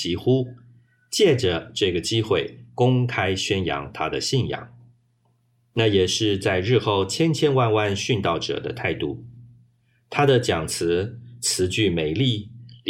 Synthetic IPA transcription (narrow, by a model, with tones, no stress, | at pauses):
i˧˥xu˥ | t͡ɕjɛ˥˩ʈ͡ʂə˩ʈ͡ʂɤ˥˩ɡə˩t͡ɕi˥xwe˥˩ɪkʊ˥ŋkʰa˥ɪɕɥɛ˥njɑ̰˧˥ŋt̪ʰa˥d̪ə˨ɕi˥˩njɑ̰˨˩˦ŋ | na˥˩jɛ˨˩ʂɻ̩˥˧t͡sa˥˧ɪɻɻ̩˥˧xo˥˧ʊt͡ɕʰjɛ˥nt͡ɕʰjɛ˥nwa˥˧nwa˥˧nɕy˥˧nt̪ɑ˥˩ʊʈ͡ʂɤ̰˨˩d̪ə˦t̪ʰa˥˧ɪt̪ṵ˥˩ | t̪ʰa˥d̪ə˨t͡ɕjɑ˨˩ŋt͡sʰɹ̩˧˥t͡sʰɹ̩˧˥t͡ɕy˥˩me˨˩ɪli˥˩